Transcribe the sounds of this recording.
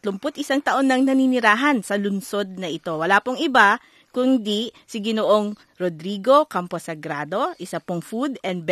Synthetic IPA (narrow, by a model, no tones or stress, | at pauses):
t̪lʊmpot̪̚ɪsaŋt̪ɐʔo̞nːɐŋnɐninɪɾaːɦɐnsɐlʊnso̞d̪̚nɐʔɪt̪o̞wɐlaːpoŋɪba | kʊnd̪isɪɡɪnoʔoŋ | ɾod̪ɾiɡo̞kamposɐɡɾaːd̪o̞ʔɪsɐpoŋfud̪ɛn̚b